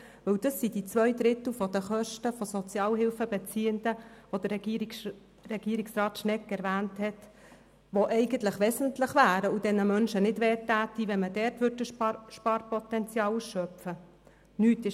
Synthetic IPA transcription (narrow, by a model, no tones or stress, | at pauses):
ʋɵwd̥ɑsːid̥it͡sʋœʏd̪ɾɪt̪l̩fɔd̥̪əχœʃtəfɔsɔt͡sjɑːlɦɪlfəbɛt͡siːəndəʋod̥əɾ | ɾɛɡ̥iːɾɪksrɑːtʃnɛkːɛɾʋæːnthɛt | ʋoʔɛɪɡəntləχʋɛsəntlɪχʋæːɾəud̥ɛnəmœnʃənɪdʋɛːtːæːtiʋɛmədɛːɾtʋʏɾdəʃpɑːɾpɔt̪ɛnt͡sjɑːwsʃœpfə | nyːtɪ